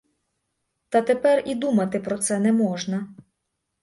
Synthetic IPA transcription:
t̪ɐt̪epɛrid̪umɐt̪ɪpɾɔt̪sɛnɛmɔʒnɐ

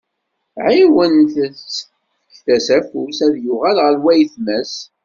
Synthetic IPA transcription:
ʕiwənθθ | θæsæfusæðjʊʁælʁəɾwæjθmæs

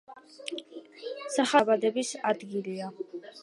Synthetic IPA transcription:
saχabad̪ɛbisad̪ɡilia

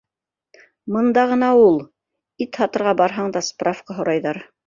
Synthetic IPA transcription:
mɤ̆nd̪ɑʁɤ̆nɑulˠ | it̪hɑt̪ɤ̆ɾʁɑbɑɾɦɑɴd̪ɑsprafqɑɦŏɾɑjðɑɾ

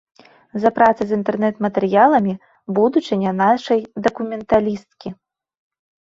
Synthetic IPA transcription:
zɐpɾʔat̪sɐzʲint̪ɛrnɛt̪mɐt̪ɛɾɨjalˠɐmʲi | bud̪ut͡ʂɨnʲɐnaʂɐjd̪ɐkumʲɛnt̪alʲist̪̚kʲi

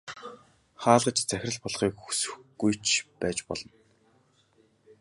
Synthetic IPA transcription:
χaːɮʁə̆t͡ɕt͡sæxʲrə̆ɮpɔɮχiːkxu̥sɵ̥̆xɡ̥ujt͡ɕʰpæːt͡ɕpɔ̰ɮɞ̆n

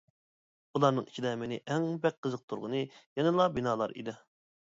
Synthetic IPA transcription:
ulˠɑɾnɨŋi̥t͡ʃʰid̪ɛmenɪʔɛŋbɛk̚qʰːəzəq̚t̪ʰuɾʁʊnɨjɛnɨlˠɑbinɑːlˠɑ̰ɾḭd̪ɪ

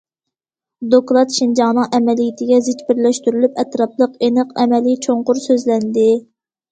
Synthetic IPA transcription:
d̪oklˠɑt̪ʃind͡ʒɑŋnɨŋʔɛmɛlijɪt̪ʰɪɡʲɛzɪt͡ʃʲbɪɾlɛʃt̪yɾylypɛt̪ɾɑp̚lˠəqenɨqɛmɛlit͡ʃʰoɴqʊɾsøzlɛnd̪ɪ

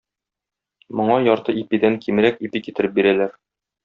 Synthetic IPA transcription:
mŏɴɑjɒɾt̪ɤʔipid̪æŋkimɾækipikit̪ɘ̆ɾɘp̚biɾælæɾ

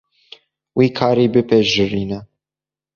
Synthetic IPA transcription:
wiːkʰɑːɾiːbɨpɛʒɨɾiːnɛ

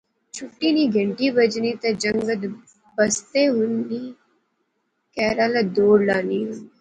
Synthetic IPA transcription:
t͡ʃʰʊʈːiːniːɡʱəɳʈiːbəd͡ʒniːt̪ɐd͡ʒəŋɡəd̪ | bəst̪eːɦʊniː | kɛːɾaːlad̪oːɾlaːniːɦʊni

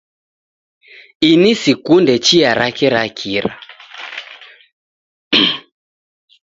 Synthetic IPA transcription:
inisikundɛt͡ʃiaɾakɛɾakʰiɾa̰

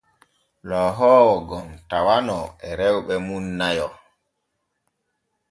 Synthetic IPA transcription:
lɔɦɔːwɔɡɔmtawanɔɛɾɛwɓɛmunːajɔ

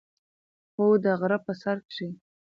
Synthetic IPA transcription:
xod̪əɣɾəpəsaɾkʂi

